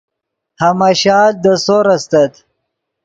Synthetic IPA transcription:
hamaɕɑːl̚d̪əsoɾɐst̪ɐt̪

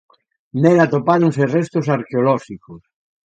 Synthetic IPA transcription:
nelat̪opaɾoŋserest̪osaɾkeolɔʃikos

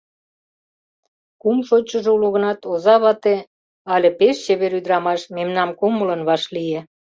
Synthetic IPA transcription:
kumʃot͡ɕəʒeuluɣə̆nɑt̪ozɑβɑt̪e | ɑlʲĕpeʃt͡ɕeβeɾyd̪ɾɑmɑʃmemnɑmkumələ̆nβɑʃlie

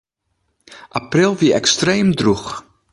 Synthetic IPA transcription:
ʔaprɪlˠviɛkstrejmdrux

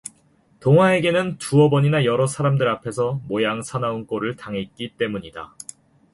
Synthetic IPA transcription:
toŋɦwae̞ɡe̞nɯntuʌbʌɲinajʌɾʌsʰaɾamdɯɾapʰe̞sʰʌmojaŋsʰanaunk͈oɾɯɭtaŋɦet̚k͈it͈e̞muɲida̰

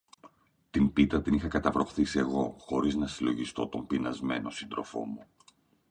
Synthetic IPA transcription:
t̪impit̪ɐt̪inixɐkɐt̪ɐvɾo̞xθise̞ɣo̞xo̞ɾiznɐsilo̞ʝist̪o̞t̪o̞mpinɐzme̞no̞sind̪ɾo̞fo̞̰mu

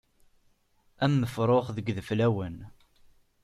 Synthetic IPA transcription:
æmːəfɾˤoχðəɡðəflæwən

